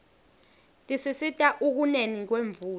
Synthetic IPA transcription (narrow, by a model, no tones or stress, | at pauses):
tʼisisitʼaʔuk̬unenik̬weɱvuːl